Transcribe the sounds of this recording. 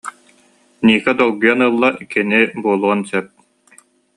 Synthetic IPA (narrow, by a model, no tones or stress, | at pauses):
niːkɛd̪ɔlˠɡujanɯlˠːakinibuɔlˠuɔnsɛp̚